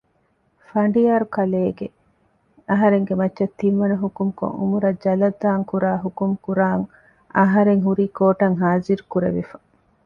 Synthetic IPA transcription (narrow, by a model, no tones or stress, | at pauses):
fɐɳɖijaːɾukɐleːɡe | ɐɦɐɾeŋɡemɐtːʃɐt̪ːinʋɐnɐɦukumko̰ŋṵmuɾɐd͡ʒɐlɐd̪ːaːŋkuɾaːɦukumkuɾaːŋ | ɐɦɐɾeŋɦuɾiːkoːʈɐŋɦaːziɾukuɾḛʋifɐ̥